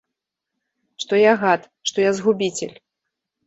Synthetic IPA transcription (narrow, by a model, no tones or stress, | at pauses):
ʂt̪ɔjaɣat̪ | ʂt̪ɔjazɣubʲit͡sʲḛlʲ